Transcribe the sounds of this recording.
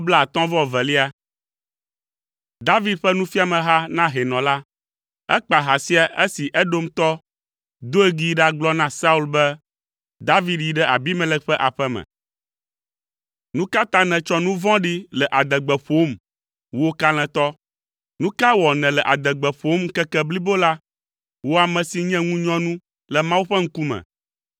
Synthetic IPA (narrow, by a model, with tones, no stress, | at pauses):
bla˦˨a˨t̪ɔ̃˦vɔ̃˦˨vɛ̃˨li˦a˦ | d̪a˦vi˦d̪̚ɸɛ˦nũ˦fi˦a˨mɛ̃˨ɦa˦nã˦ɦe˨nɔ̃˨la˦ | ɛ˦k͡pa˨ɦa˨si˦a˨ʔe˦si˨ʔɛ˦ɖo˦mt̪ɔ˦ | d̪o˦e˦ɡi˦ɖa˦ɡ͡blɔ˦nã˦sa˦u˦lbɛ˦ | d̪a˦vi˦d̪ji˨ɖɛ˦ʔa˨bi˦mɛ̃˦lɛ˦ɸɛ˦ʔa˨ɸɛ˦mɛ̰̃˨ | nũ˦ka˦t̪ã˦nɛ̃˨t͡ʃɔ˦nũ˦vɔ̃˦ɖi˦lɛ˨ʔa˨d̪ɛ˨ɡ͡bɛ˨ɸo˨˦m | wo˦ka˦l̃ɛ̃˨t̪ɔ˦ | nũ˦ka˦wɔ˨nɛ̃˨lɛ˨ʔa˨d̪ɛ˨ɡ͡bɛ˨ɸo˦m˦kɛ˦kɛ˦bli˦bo˦la˦ | wo˦a˨mɛ̃˨si˨ɲɛ̃˦ŋũ˦ɲɔ̃˦nũ˦ | lɛ˨mã˦wu˦ɸɛ˦ŋ̩˦ku˦mɛ̰̃˨